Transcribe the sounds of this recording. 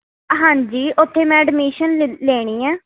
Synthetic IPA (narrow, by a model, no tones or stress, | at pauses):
ɦãːɲd͡ʒiːʔʊt̪ʰːeːmɛ̃ːɖmiːʃənleːɽ̃iːɛ̃ː